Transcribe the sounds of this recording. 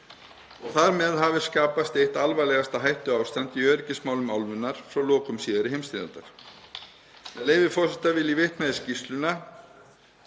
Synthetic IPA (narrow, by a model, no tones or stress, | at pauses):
ɔɣθaɾmɛðhavɪskaːpast̪eht̪alvajlɛɣast̪aɦajht̪ʏawst̪ant̪iœːɾɪcɪsmaːwlʏmawlvʏnːaɾ̥fɾawlɔːkʏmsiːðaɾɪɦejmst̪ɾɪðant̪a̰ɾ̥ | ɛnleːjvɪfɔsɛt̪avɪðlivɪht̪mɛðscist̪lʏna